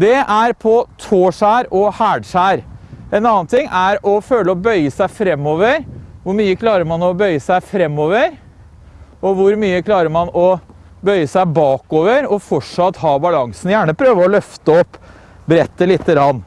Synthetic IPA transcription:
d̪ɛʔæɾpʰɔt̪ʰoːʂæːɾɔhæːɖʂæːɾɛnɑːnt̪ʰɪŋːʔæɾɔføːləɔbœʏəsæɪfɾɛmːoːʋəɾʋʊɾmyːəkʰlɑːɾəɾmɑnɔbœʏəsæɪfɾɛmːoːʋəɾ | ɔʋʊɾmyːəkʰlɑːɾəɾmɑnɔ | bœʏəsæɪbɑːkoːʋəɾɔfɔʂɑt̪ːhɑːbɑlɑŋsn̩jæːɳəpʰɾøːʋəɔlœft̪əɔpː | bɾɛt̪ːəlɪt̪ːəɡɾɑnː

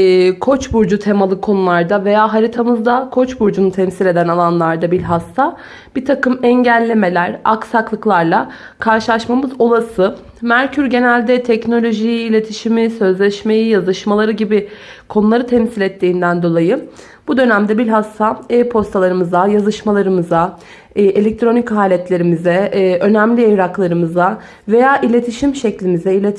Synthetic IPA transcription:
kʰo̞t͡ʃbuɾd͡ʒut̪ʰemalˠɯkʰːo̞nulˠaɾd̪ave̞jaːɦaɾit̪ʰamɯzd̪akʰo̞t͡ʃbuɾd͡ʒunut̪ʰɛmsilʲe̞d̪ænalˠanlˠaɾd̪abilʲɦast̪ʰa | b̥it̪ʰakɯmɛɲɟælʲːe̞me̞lʲæɾa̰ksaklˠɯklˠaɾlˠa | kʰaɾʃɯlˠaʃmamɯzo̞lˠasɯ | mæɾcʰyɾɟe̞nælʲd̪ɛt̪ʰɛcno̞lʲo̞ʒijiːlʲe̞t̪ʰiʃimisø̞zlʲɛʃme̞jijazɯʃmalˠaɾɯɟibɪ | kʰo̞nulˠaɾɯt̪ʰɛmsilʲɛt̪ʰːiːnd̪ænd̪o̞lˠajɯ | b̥ud̪ø̞næmd̪ɛbilʲɦast̪ʰapʰo̞st̪ʰalˠaɾɯmɯzajazɯʃmalˠaɾɯmɯza | ʔelʲɛc̚t̪ʰɾo̞nichaːlʲɛt̪ʰlʲe̞ɾimizɛø̞næmlʲiejɾaklˠaɾɯmɯza | ve̞jaːʔilʲe̞t̪ʰiʃimʃɛclʲimizɛilʲet̪

